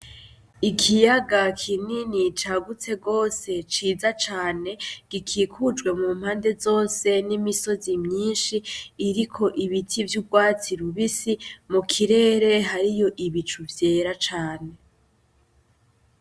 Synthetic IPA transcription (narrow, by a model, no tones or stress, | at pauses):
ikʰijaɡakʰininit͡ʃaɡut͡se̞ɡo̞ːse̞t͡ʃiːzat͡ʃaːne̞ɡ̥ikʰiːkʰud͡ʒɡwe̞muːmhaːnde̞zo̞ːse̞nimiso̞zimɲiːnʃiːɾikʰo̞ʔiβitʰivjuɡɡwaːt͡siɾuβisimukʰiɾe̞ːɾe̞ɦaɾijo̞ʔiβit͡ʃuvje̞ːɾat͡ʃaːne̞